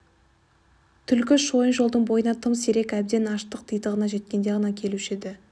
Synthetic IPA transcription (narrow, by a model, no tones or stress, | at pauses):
t̪ʰʏlkʲɪʃo̞jənʒo̞lˠd̪əɴbo̞jənɑt̪ʰəmseɾe̞kæbd̪e̞nɑʃt̪əq̚t̪ʰijt̪əʁənɑʒe̞t̪̚kʲe̞nd̪e̞ʁɑnɑkʲʰe̞luʃed̪ɪ